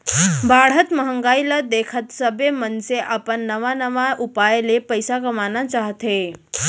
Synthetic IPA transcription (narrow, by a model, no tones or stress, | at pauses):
baːɽ̤ət̪məɦə̃ŋɡaːiləd̪eːkʰət̪səbemənseʔəpənːəʋanəʋaʔʊpaːjlepəjsakəmaːnat͡ʃaːɦt̪ɦe